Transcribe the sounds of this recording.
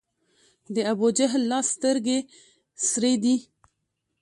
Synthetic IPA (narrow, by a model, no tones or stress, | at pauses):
d̪əabod͡ʒaɦlːɑːst̪əɾɡe | sɾed̪i